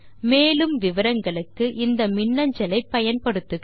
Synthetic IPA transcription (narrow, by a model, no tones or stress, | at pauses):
meːlɯmʋɪʋɐɾɐŋɡɐɭɯkːɯʔɪnd̪ɐmɪnːɐɲd͡ʒɐlɐɪpːɐjɐnpɐɽɯt̪ːɯ